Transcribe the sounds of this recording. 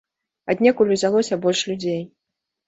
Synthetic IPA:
ad̪ʲnʲɛkulʲuzʲalˠɔsʲɐbɔlʲʂlʲud͡zʲej

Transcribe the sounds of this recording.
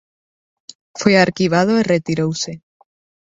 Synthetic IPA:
fweaɾkiβ̞að̞oeret̪iɾowse

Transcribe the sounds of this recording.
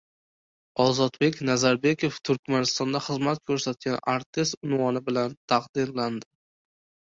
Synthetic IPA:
ɒzɒt̪be̞kʲnazaɾbe̞kʲoft̪ʰʊɾkʲmanɪst̪ɒnd̪aχɨzmat̪̚kʲʰɵɾsat̪̚ɡʲanaɾt̪ʰɪst̪ʊnwɒnɪbɪlant̪ʰaqd̪ɪnland̪ɪ

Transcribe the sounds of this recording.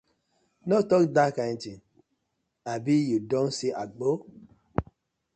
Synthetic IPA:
notɔkdakaj̃ntĩn | abijudõnsiʔaɡ͡bo

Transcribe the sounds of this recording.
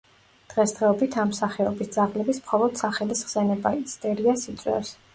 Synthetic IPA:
d̪̥ʁɛsd̪ʁɛɔbit̪ʰamsaχɛɔbisd̪zaʁlɛbismχɔlˠɔd̪̥saχɛlisʁsɛnɛbaiist̪ʼɛɾiasit̪sʼwɛ̰fs

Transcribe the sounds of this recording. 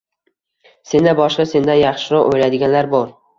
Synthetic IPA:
se̞nd̪abɒʃqɑse̞nd̪anjɑχʃɪɾɒʔojlad̪ɪɡʲanlaɾbɒɾ

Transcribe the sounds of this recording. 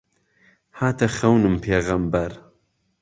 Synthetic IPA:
haːt̪ʰɐxɐwnɨmpʰeːɣɐmbɐɾ

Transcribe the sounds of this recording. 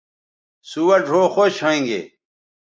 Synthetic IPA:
suwɐɖʱoːxoɕʰoĩŋɡḛ

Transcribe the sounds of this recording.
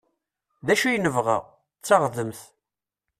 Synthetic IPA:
ðæʃujnəvʁa̰ʁ | t͡sːɑʁðəmθ

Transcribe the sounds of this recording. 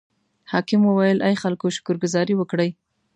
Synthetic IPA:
hɑkɪməwajəlʔajxalkoʃʊ̥kʊɾɡʊzɑɾiwəkɽəj

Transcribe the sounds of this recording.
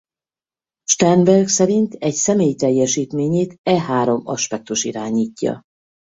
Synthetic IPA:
ʃt̪ɛnd̪bɛrɡsɛɾint̪ɛcsɛmeːjit̪ɛjːɛʃiːt̪meːɲeːt̪ɛɦaːɾo̞mɒʃpɛk̚t̪uʃiɾaːɲiːcːɒ̰

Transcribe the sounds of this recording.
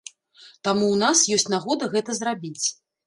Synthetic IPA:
t̪amuwnasjɔsʲt͡sʲnaɣɔd̪ɐɣɛt̪ɐzrabʲit͡sʲ

